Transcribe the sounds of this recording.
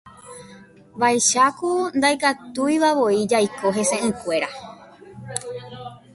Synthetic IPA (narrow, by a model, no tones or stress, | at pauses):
bajʃakund̪ajkat̪ujʋaʋo̞id͡ʒajko̞ɦe̞sẽ̞ʔɨ̃kʷe̞ɾa